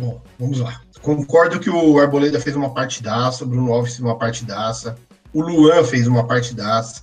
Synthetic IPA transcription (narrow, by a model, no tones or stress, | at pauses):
bõvɐ̃mʊzla | kõkɔɾd̪ʊkɪʊaɾboled̪ɐfejzũmɐpaɾt͡ʃɪ̥d̪asɐʊbɾũnʊavisfezũmɐpaɾt͡ʃɪd̪asɐ | ʊluɐ̃fejzũmɐpaɾt͡ʃɪd̪asɐ̥